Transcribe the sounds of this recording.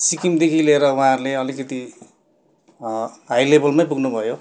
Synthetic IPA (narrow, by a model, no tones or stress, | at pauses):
sikimd̪ekʰileeɾʌwuɦãʌɾuleʌlikʌt̪i | ɦajlebʌlmajpuɡnubʱʌjo